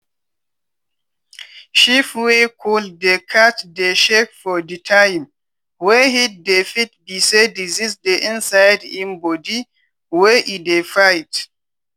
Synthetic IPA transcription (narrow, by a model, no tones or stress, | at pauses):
ʃifwekʰɔlddekʰatdeʃekfɔditʰajm | wɛhit̚defit̚bisedizisdeʔĩnsajdĩmbɔdi | wɛʔidefajt